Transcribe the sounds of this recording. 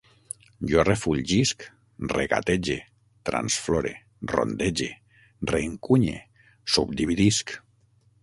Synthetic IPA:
ʒorefuʎʒisk | reɣa̰t̪ed͡ʒe | t̪ɾa̰nsfloɾḛ | ro̰nd̪ed͡ʒe | reːŋkuɲḛ | sub̚d̪iβiðisk

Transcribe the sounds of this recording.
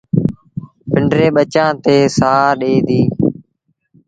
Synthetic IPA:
pɪɳɖɾeːɓət͡ʃãːt̪eːsaːɗeːd̪iː

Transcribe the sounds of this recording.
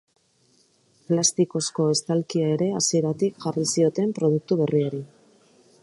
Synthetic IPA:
plast̪iko̞sko̞e̞st̪alkiae̞ɾe̞asie̞ɾat̪ikʝarisio̞t̪e̞mpɾo̞ð̞uk̚t̪uβe̞rieɾi

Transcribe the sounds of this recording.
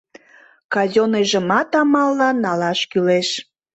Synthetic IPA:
kɑzoneʒəmɑt̪ɑmɑlːɑnɑlɑʃkyleʃ

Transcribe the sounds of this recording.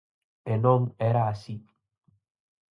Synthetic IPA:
enomeɾaːsi

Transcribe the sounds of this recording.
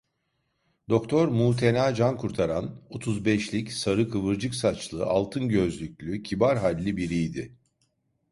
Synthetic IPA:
d̪o̞kt̪ʰo̞ɾmuːt̪ʰe̞naːd͡ʒankʰuɾt̪ʰaɾano̞t̪ʰuzbɛʃlʲicsaɾɯkʰɯvɯɾd͡ʒɯksat͡ʃlˠɯa̰lˠt̪ʰɯnɟø̞zlʲycʲlʲycʰibaɾɦalʲːibiɾijd̪ɪ

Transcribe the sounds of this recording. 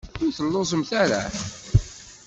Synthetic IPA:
ʊθəlːosˤəmθæɾæ̰

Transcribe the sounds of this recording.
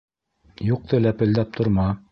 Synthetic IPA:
juq̚t̪ʰɤlæpɘ̆ld̪æp̚t̪ʰŏɾmɑ

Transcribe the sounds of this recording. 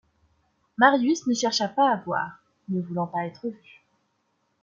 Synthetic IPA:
maʁjysnəʃɛʁʃapaːvwa̰ːʁ | nəvulɑ̃paɛt̪χəvy

